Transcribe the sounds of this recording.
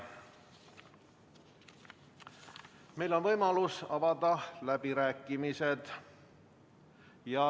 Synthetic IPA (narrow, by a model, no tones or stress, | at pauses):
mejlo̞nvɤjmɑlusɑvɑd̪ɑlæbiɾæːkːˑimise̞d̪̥ | jɑ